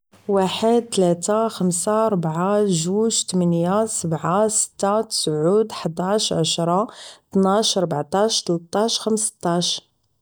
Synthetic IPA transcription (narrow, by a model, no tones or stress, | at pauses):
waħəd̪̚t̪læt̪axəmsaɾˤbʕaʒuʒt̪əmənjasəbʕasə̥t̪ːat̪ə̥sʕud̪ħəd̪ˤaʃʕa̰ʃɾˤɑt̪naʃɾˤbʕt̪ˤɑʃt̪əlt̪ˤːɑʃxəmst̪ˤːɑʃ